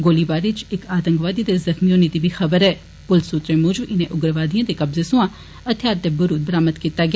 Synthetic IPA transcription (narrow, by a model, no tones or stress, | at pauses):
ɡoːlibaːɾit͡ʃɪkaːt̪ə̃ŋɡʋaːd̪id̪ezɐxmioːnid̪ibʱixɐbəɾɛː | pʊlsut̪ɾemʊːd͡ʒbʔɪnẽʔʊɡɾʋaːd̪iãːd̪ekɐbzesʊ̃ã | ɐt̪ʰjaːɾt̪ebəɾuːd̪̚bəɾaːməd̪kiːt̪aɡɪaː